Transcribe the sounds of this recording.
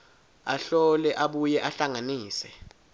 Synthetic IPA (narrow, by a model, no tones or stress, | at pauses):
aɬɔlɛʔaɓujɛʔaɬaŋaniːsɛ